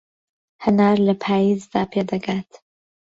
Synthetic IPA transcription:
hənaːɾləpʰaːjiːzd̪aːpʰeːd̪ɐɡat̪

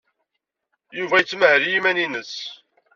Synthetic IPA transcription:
juvæjət͡sːməhɾjimæninəs

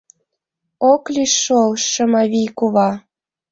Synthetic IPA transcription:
oklʲiʃːolʃɤ̆mɑβijkuβɑ

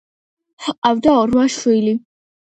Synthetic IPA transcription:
ħqʼavd̪aɔɾmaʃwili

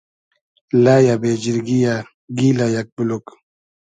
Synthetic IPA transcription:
lajabed͡ʒiɾɡija | ɡilajak̚bulok

